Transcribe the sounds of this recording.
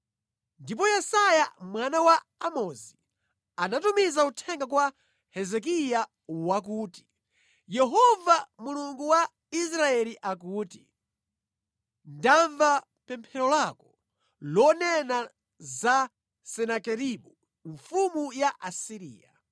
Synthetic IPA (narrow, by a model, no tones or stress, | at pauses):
ndip̬ɔjɛsajamwanawa | amɔzi | anatumizautʰɛŋɡak̬wa | hɛzɛk̬ija | wak̬uːti̥ | jɛɦɔvamuluŋɡuwa | is̬ɾaɛliʔakuːti̥ | ndaɱva | pɛmpʰɛɾɔlakɔ | lɔnɛna | za | sɛnakɛɾiɓu | ɱfumujaʔasiɾḭːja